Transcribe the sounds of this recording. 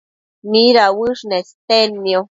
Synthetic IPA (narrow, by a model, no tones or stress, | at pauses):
miɾawɨʂnest̪enmio